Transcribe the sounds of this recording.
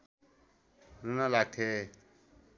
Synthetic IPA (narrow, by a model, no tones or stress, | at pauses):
ɾunalak̚ʈʰe